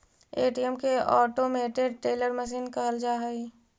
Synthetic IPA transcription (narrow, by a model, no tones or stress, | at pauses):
eːʈiəmkeɔːʈomeːʈeɖ̚ʈeːləɾməʃ̬iːnkəɦəld͡ʒaːɦəi